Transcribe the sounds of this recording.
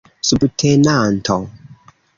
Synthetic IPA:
subtʰɛnantʰɔ

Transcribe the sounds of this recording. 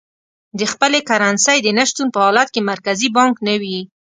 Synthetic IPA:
d̪əxpəlekaɾɑnsajd̪ənaʃt̪unpəhɑlat̪̚kemaɾkazibɑŋknawi

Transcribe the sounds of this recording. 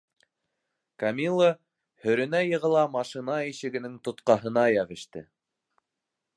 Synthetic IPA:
kamʲilˠːo | hɵ̆ɾɘ̆næjɤ̆ʁɤ̆lˠɑmɑʃɨnɑiʃɘ̆ɡɘ̆nɘŋt̪ŏt̪qɑɦɤ̆nɑjæʁɘ̆ʃt̪ɘ

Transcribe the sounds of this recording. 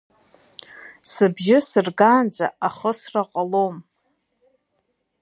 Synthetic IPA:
sɨbʒɪsɨrɡaːnd͡za̰aχəsraqʼalom

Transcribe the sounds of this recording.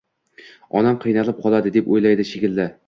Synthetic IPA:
ɒ̰namqʰɨjnalˠɪp̚qʰɒlˠad̪ɪd̪epojlajd̪ɪʃekʲɪlːa

